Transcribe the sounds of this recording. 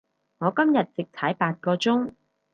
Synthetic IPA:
ŋɔː˨˧kɐ˥mjɐ˨t̚t͡sɪ˨k̚t̪ʰɐ˨˥jpaː˧t̚kɔː˧t͡sʊ˥ŋ

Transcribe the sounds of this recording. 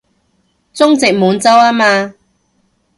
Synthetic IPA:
t͡sʊ˥ŋt͡sɪ˨k̚muː˨˥nt͡sɐ˥waː˥maː˧

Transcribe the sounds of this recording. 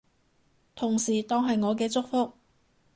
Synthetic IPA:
t̪ʰʊ˨˩ŋsiː˨˩t̪ɔː˥ŋɦɐ˨jŋɔː˨˧k̬ɛː˧t͡sʊ˥k̚fʊ˥k̚

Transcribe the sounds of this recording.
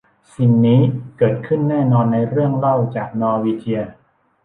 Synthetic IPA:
si˨˩nːiː˦˥kɤː˨˩t̪̚kʰɯ˥˩nːɛː˥˩nɔː˧nːa˧jɾɯ˥˩əŋla˥˩wt͡ɕaː˨˩k̚nɔː˧wiː˧t͡ɕi˧ə

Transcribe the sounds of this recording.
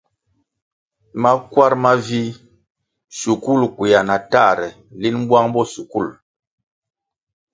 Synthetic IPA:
ma˦kwa˦ɾma˦vi˦ | su˨ku˦˨lkwi˨ja˨na˨ta˦˨ɾɛ˨ | li˦n˦bwa˦ŋbɔ˦˨su˨ku˦˨l

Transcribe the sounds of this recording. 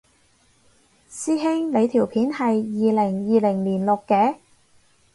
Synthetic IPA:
siː˥ɦɪ˥ŋle˨˧jt̪ʰiː˨˩wpʰiː˨˥nhɐ˨jːiː˨lɪ˨˩ŋjiː˨lɪ˨˩ŋliː˨˩nlʊ˨kːɛː˨˥

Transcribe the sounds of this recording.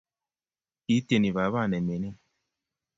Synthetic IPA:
i˨˦te˨ni˨βa˨˦βa˦˨nɛ˨me˨˦nɛ˦˨

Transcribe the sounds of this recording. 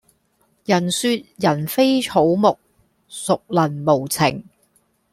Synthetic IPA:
jɐ˨˩nsyː˧t̚jɐ˨˩nfe˥jt͡ʃʰo˨˧˥wmʊ˨k̚ | sʊ˨k̚lɐ˨˩nmo˨˩wt͡sʰɪ̰˨˩ŋ

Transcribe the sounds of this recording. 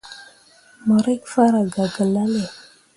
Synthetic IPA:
mo˨ɾe˦kfa˦ɾa˨ɡa˨ɡa˨la˦le˨

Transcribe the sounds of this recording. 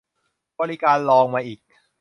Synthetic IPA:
bɔː˧li˦kaː˧nlɔː˧ŋmaː˧ʔiː˨˩k̚

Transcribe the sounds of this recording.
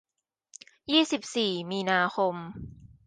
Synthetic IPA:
jiː˥˩si˨˩p̚siː˨˩miː˧naː˧xʰo˧m

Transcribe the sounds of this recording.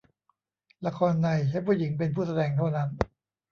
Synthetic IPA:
la˧kʰɔː˧nːa˧jt͡ɕʰa˦˥pʰu˥˩˨ji˩˦ŋp̬e˧npʰuː˥˩sa˧dɛː˧ŋt̪ʰa˥˩wna˦˥n

